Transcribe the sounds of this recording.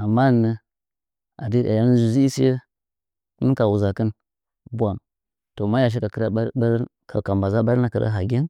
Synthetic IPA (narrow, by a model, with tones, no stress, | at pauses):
a˨mːa˦˨nə˦ | a̰˨di˦˨ʔa̰˨ja˦n˦zu˨zi˦i˦si˦e˦ | ku˦n˦ka˨wu˨za˨kə˦n | bʷa˨m | to˨ma˦ja˨ʃ̬i˦ka˨˦ɾɾka˨ka˨mba˨za˦ba˦ɾna˨kə˨ɾa̰˦ɦa˨ɡʲe˦n